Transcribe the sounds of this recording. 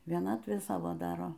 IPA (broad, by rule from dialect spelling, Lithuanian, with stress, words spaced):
ʋʲiɛˈnɑːtʲʋʲeː ˈsɑːʋoː ˈdɑːroː